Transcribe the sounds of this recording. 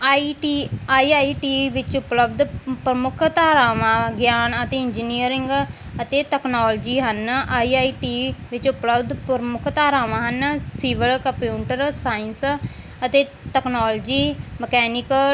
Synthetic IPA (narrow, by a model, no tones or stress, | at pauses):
iʈiːaːiːaːiːʈiːʋɪt͡ʃʊpləbd̪pɾəmʊkʰt̪aːɾaːʋãːɡjaːnət̪eːɪɲd͡ʒiːniəɾɪŋɡ | ət̪eːʈɛːknoːld͡ʒiːɦənaːiːaːiːʈiːʋɪt͡ʃʊpləbd̪pɾmʊkʰt̪aːɾaːʋãːɦənsiːʋəlkəmpjuːʈəɾsaːɪns | ət̪eː | ʈɛknaːld͡ʒiːməkɛːnɪkə